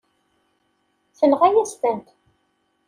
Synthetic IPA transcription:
θənʁæjæst̪ənt̪

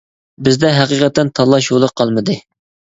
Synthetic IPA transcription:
bɪzd̪ɛɦæqiqʰɛt̪ːɛnt̪ʰɑlˠːɑʃolˠəqʰːɑlˠmɨd̪ɨ

